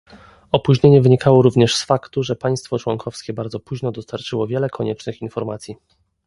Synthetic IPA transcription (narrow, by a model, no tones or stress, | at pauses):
ɔpuʑɲeɲɛvɘɲikʰawɔɾuvɲɛʂsfakt̪uʐɛpaj̃st̪fɔt͡ʂwɔŋkʰɔfskʲɛbaɾd̪zɔpuʑnɔd̪ɔst̪aɾt͡ʂɘwɔvʲjɛlɛkʰɔɲɛt͡ʂnɘxinfɔɾmat̪sʲji